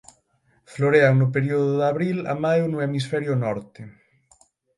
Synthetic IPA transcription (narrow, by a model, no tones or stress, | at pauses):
floɾeaŋnʊp̬eɾioðʊðaβɾila̰majwnʊemisfɛɾjʊnɔɾt̪ɪ